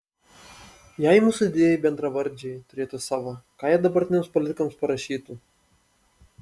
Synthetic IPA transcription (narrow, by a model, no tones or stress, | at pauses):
jɛjmuːsʊɪd̪ʲeːjɛjibʲɛnd̪ɾɐʋɐɾʲd͡ʒʲɛjt̪ʊɾʲeːt̪ʊsɑːʋɐkɑːjɛd̪ɐbɐɾʲt̪ʲɪnʲeɛmspɔlʲɪt̪ʲɪkomspɐɾɐʃʲiːt̪u